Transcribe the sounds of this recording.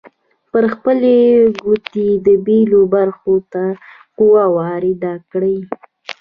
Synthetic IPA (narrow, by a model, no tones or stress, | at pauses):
pəɾxpəleɡut̪ed̪əbelobaɾxot̪a | quwawɑɾed̪ɑkɽəj